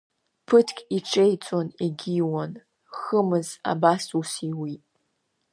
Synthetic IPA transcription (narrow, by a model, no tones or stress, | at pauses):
pʰɨtʰkʲʼiʈ͡ʂʰejt͡sʷʼoniɡʲiwan | χəmɨza̰basusiwitʼ